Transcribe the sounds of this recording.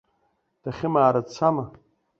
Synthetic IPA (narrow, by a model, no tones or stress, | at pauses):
d̥aχʲɪmaːɾat͡sʰama